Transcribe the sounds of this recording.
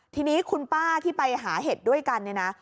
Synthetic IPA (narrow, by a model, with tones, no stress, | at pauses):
t̪ʰiː˧niː˦˥kʰu˧npaː˥˩t̪ʰiː˥˩pa˧jɦaː˩˦ɦe˨˩t̪̚du˥˩əjka˧nːi˥˩na˦˥